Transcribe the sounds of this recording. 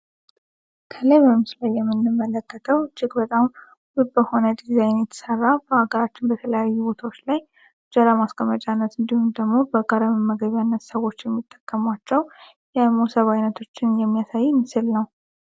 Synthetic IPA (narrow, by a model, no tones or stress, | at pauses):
kʰələjməmslajːɛmːɨnːɨmːələkːət̪ʰəwd͡ʒɪɡbət̪ʼam | bɨbəho̞nəd̪izajnjɛt̪ʰə̥sərːabəhaɡəɾat͡ʃːɪnbət̪ʰələjajːubo̞t̪ʰawot͡ʃːlaj | d͡ʒəɾamaskʼəmət͡ʃʼanːət̪ɨnd̪ihumd̪əɡmo̞bəɡaɾəmɨmːəɡəβjanːət̪səwo̞t͡ʃːjɛmːit̪ʼːəkʼːəmwat͡ʃːɛw | jɛmosəβajnət̪ʰo̞t͡ʃːɪnjɛmːijasajɪnːɨsɨlnəw